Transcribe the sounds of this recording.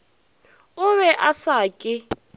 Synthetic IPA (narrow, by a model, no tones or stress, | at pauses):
ʊβɛʔasaːkʼɪ